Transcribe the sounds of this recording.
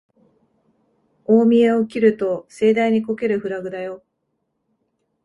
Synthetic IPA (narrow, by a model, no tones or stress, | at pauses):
oːmʲieokʲiɾɯ̟t̪o̞se̞ːd̪aiɲ̟iko̞ke̞ɾɯ̟ɸɯ̟ɾaɡɯ̟d̪ajo̞